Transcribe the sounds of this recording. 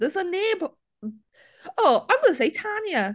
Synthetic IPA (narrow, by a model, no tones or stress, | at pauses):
ðəzənɪb | oʊãɪ̃mɡʌnəseɪtʰanjə